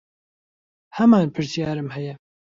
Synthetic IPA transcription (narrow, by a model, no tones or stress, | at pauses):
hɐmaːnpʰɨɾsjaːɾɨmɦɛjɛ